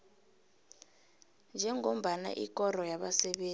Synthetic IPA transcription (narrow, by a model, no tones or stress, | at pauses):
nd͡ʒʱɛŋom̩ɓana̰ʔikʼɔrɔjaɓasɛɓeː